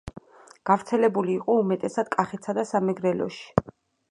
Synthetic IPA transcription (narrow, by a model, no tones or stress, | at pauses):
ɡ̥avɾt̪sʰɛlɛbuliːqʼɔumɛt̪ʼɛsad̪̥̚kʼaχɛt̪sʰad̪asamɛɡɾɛlɔ̰ʃi̥